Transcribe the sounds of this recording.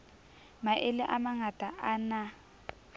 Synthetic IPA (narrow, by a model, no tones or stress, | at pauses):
maʔɪlɪʔamaŋatʼaʔana